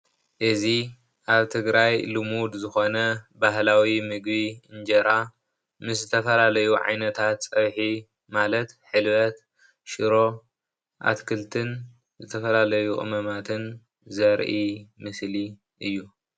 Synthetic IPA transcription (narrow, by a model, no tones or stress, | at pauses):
ʔɨzi | ʔaβt̪ʰɨɡɾajlɨmud̪zɨxo̞nɐbaɦlawimɨɡbiɨnd͡ʒɐɾa | mɨs̬zɨt̪ʰɐfɐlalɐjuʕa̰jnɐt̪ʰat̪t͡sʼɐβħi | malɐt̪ħɨlβɐt̪ | ʃɨɾo̞ | ʔa̰t̪kʰɨlt̪ʰɨn | zɨt̪ʰɐfɐlalɐjuχʼɨ̰mɐmat̪ʰɨn | zɐɾʔimɨsli | ʔɨjːu